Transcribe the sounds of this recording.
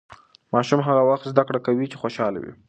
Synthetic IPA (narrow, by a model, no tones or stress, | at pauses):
mɑʃumɦaɣawaxt̪zd̪akɽakawit͡ʃe̥xoʃɑla̰wḭ